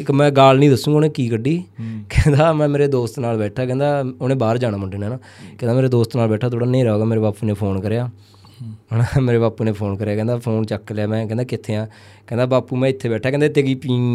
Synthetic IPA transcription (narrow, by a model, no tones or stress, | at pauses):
ɪkmɛ̃ːɡaːlnĩːd̪əsũːoːnẽːkiːkəɖiːkɛ̃ːnd̪aːmɛ̃ːmeːɾeːd̪oːst̪naːlbɛːʈʰaːkɛ̃ːnd̪aːoːnẽːbaːɾd͡ʒaːnãːməɳɖeːneːnaː | kɛ̃ːnaːmeːɾeːd̪oːst̪naːlbɛːʈʰaːt̪ʰoːɽaːneĩːɾɛoːɡaːmeːɾeːbaːpuːneːpʰoːnkəɾeːaː | ameːɾeːbaːpuːneːpʰoːnkəɾeaːkɛ̃ːnd̪aːpʰoːnt͡ʃəkːleaːmɛ̃ːkɛ̃ːnd̪aːkɪt̪ʰːeːãː | kɛ̃ːnd̪aːbaːpuːmɛ̃ːɪt̪ʰːeːbɛːʈʰːaːkɛ̃ːnd̪eːt̪eːɡiːpiː